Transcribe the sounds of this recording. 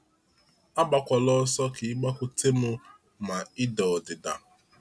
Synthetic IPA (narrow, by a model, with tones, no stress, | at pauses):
a˦ɡ͡ba˨kʷa˨lɔ˦sɔ˦ki˨ɪ˦ɡ͡ba˦kʷʊ˦tʰe˦mʊ˦ | ma˨ɪ˦dɔ˨dɪ˨da˨